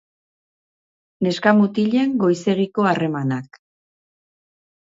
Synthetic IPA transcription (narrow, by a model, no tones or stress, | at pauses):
ne̞skamut̪iʎe̞ŋɡo̞jse̞ɣ̞iko̞are̞manak